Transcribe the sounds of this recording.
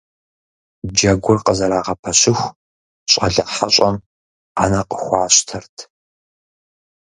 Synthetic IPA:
d͡ʒɐɡʷʊrqəzɐɾaːʁɐpʰɐɕɪxʷ | ɕʼɐ̰ɮɐħaɕʷʼɐm | anɐqəxʷɑːɕtʰɐrtʰ

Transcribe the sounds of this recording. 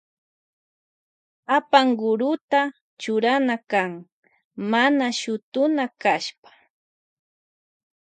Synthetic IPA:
apaŋɢʊɾʊt̪a | t͡ʃʊɾanakaŋ | manaʃʊt̪ʊnakaʃpḁ

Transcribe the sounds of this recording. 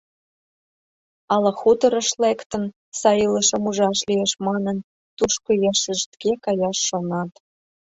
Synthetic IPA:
ɑlɑxut̪əɾə̆ʃlekt̪ən | sɑjiləʃə̆muʒɑʃlijeʃmɑnən | t̪uʃkojɑʃə̆ʃt̪kekɑjɑʃːonɑt̪

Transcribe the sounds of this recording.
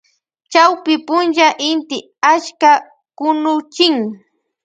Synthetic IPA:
t͡ʃawpɪpʊnʒaʔɪnt̪ɪ | at͡ʃka | kʊnʊt͡ʃɪŋ

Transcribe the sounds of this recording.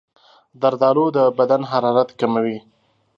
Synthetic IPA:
d̪aɾd̪ɑlod̪əbad̪anɦaɾɑɾat̪kamawi

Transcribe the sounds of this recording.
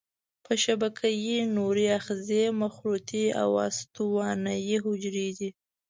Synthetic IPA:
pʰəʃabakʰajinoɾiaxzemaxɾut̪ia̰wɑ̰st̪uwɑnajiɦʊd͡ʒɾed̪i

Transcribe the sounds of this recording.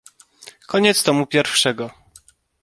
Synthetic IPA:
kɔɲɛt̪st̪ɔmupʲjɛɾfʂɛɡɔ

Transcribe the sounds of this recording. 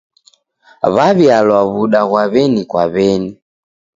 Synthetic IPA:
βaβjalwaβuɗaɣwaβɛnikwa̰βɛni

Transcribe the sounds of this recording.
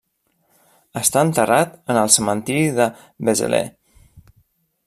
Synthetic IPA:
əst̪aənt̪ərat̪ənəlˠsəmənt̪iɾiðə | βəzə̰lḛ

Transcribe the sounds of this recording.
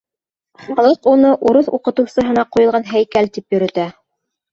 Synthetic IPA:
χɑlˠɤqunɤʔuɾɤθuqɤ̆t̪ɤ̆wsɤ̆ɦɤ̆nɑqujɤ̆lˠʁɑnɦæjkælt̪ipjɵ̆ɾɵ̆t̪æ

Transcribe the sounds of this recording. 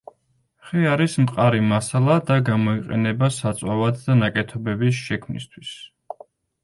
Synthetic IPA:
χɛaɾismqʼaɾimasalˠad̪aɡamɔiqʼɛ̰nɛbasat̪sʼwavad̪d̪anakʼɛt̪ʰɔbɛbis̬ʃɛkʰmnḭst̪ʰwis

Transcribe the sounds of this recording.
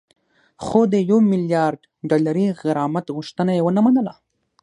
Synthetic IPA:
xod̪əjawmɪljɑɾɖ̪ | ɖɑlaɾiɣaɾɑmat̪ɣuʃt̪ənajewənəmanəla

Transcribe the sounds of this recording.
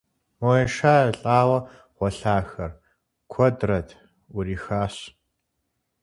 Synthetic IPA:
mojɛʃaːɐɬʼaːwɐ | ʁʷɔɬaːxɐr | kʷʰɔdrɐdʰ | ʊɾiːxaːɕ

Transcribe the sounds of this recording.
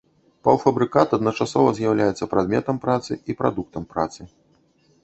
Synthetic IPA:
pɐwfɐbɾɨkat̪ɐd̪nɐt͡ʂasɔvɐzʲjawlʲajɛt̪sːɐpɾad̪mʲɛt̪ɐmpɾat̪sɨipɾa̰d̪uk̚t̪ɐmpɾa̰t̪sɨ

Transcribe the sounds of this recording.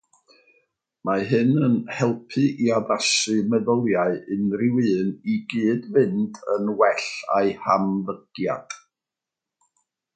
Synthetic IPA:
maɦɨnənhɛlˠpʰɨʔiaðasɨmɛðɔlˠjaɨʔɨnrɪwɨːniɡɨːdvɨndʰənwɛɬa̰ɨhamvəɡ̥ja̰d̥

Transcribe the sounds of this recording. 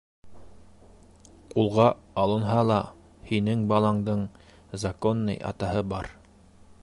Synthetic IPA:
qulˠʁɑɑlˠɤ̆nɦɑlˠɑ | hinɘŋbɑlˠɑɴd̪ɤɴ | zakonːɤ̰jɑ̰t̪ɑhɤbɑɾ

